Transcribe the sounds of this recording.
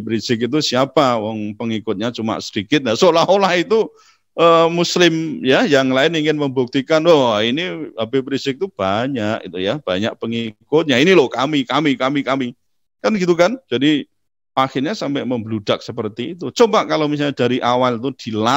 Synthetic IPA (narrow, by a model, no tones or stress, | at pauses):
pɾisɪk̬it̪̬usiapawɔŋpəŋikʊt̪̚ɲat͡ʃuma̰ʔsədikɪt̪̚jasolaholahit̪u | ʔəːmuslɪmjajaŋlaɪniŋɪnməmbuk̚t̪ikanwɔiniabepɾisɪk̚t̪ub̥aɲakit̪ujab̥aɲak̚pəŋikʊt̪̚ɲainilʊhkamikamikamikami | kanɡit̪ukand͡ʒ̥adi | axɪrɲasampɛʔməmblud̥ak̚səpərt̪iːt̪ut͡ʃobaʔkalomis̬aɲad̥aɾiʔawalt̪ud̥i̤la